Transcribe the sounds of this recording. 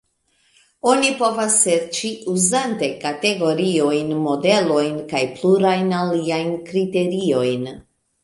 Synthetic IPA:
o̞nipo̞vasːe̞ɾt͡ʃiuzante̞kate̞ɡo̞ɾio̞jnmo̞de̞lo̞jnkajpluɾajnaliajnkɾite̞ɾio̞jn

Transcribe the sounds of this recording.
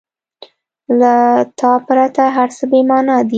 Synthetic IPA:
lat̪ɑpɾat̪aɦaɾsəbemɑnɑd̪i

